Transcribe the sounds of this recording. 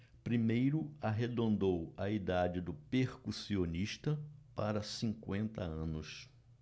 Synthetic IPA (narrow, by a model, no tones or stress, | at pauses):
pɾimejɾʊaɦed̪õnd̪owɐid̪ad͡ʒɪd̪ʊpeɾkusioniʃt̪ɐpaɾɐsĩŋkwẽnt̪ɐɐ̃nʊs